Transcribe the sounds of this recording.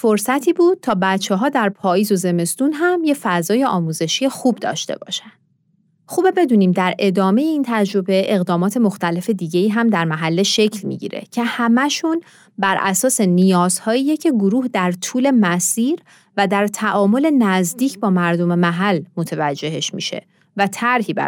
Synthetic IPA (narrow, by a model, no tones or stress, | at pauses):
foɾsæt̪ʰiːbuːd̪̚t̪ʰɒːbæt̪t͡ʃʰːeɦɒːd̪æɾpʰɒːjiːzo̞ze̞me̞st̪unɦæmje̞fæzɒːjeɒːmuːze̞ʃije̞xuːbd̪ɒ̰ːʃt̪e̞̰bɒ̰ːʃænd̪̥ | xuːbe̞be̞d̪uːniːmd̪æɾe̞d̪ɒːme̞jeiːnt̪ʰæd͡ʒɾo̞be̞ʔe̞ɣd̪ɒːmɒːt̪ʰe̞mo̞xt̪æle̞fe̞d̪iːɟe̞iːɦæmd̪æɾmæɦælːeʃe̞cʰlmḭɟḭːɾḛcʰe̞hæmæʃun | bæɾʔæsɒːse̞nijɒːz̥hɒːjiːjecʰe̞ɡoɾuːhd̪æɾt̪ʰuːle̞mæsiːɾ | væd̪æɾt̪ʰæʔɒːmo̞le̞næzd̪iːcʰbɒːmæɾd̪o̞me̞mæɦælːmo̞t̪ʰevæd͡ʒːe̞ɦeʃmḭʃe̞̰ | væt̪ʰæɾhiːbæ̰